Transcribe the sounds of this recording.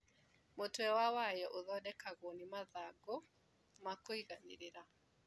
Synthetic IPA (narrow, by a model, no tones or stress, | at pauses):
motwɛwawajɛʔoðɔdɛkaɣonimaðaɡo | makoiɣaniɾeɾa